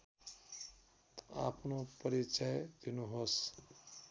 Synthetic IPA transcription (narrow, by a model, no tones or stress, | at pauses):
t̪a̰pʰnopʌɾit͡ʃajd̪inuɦos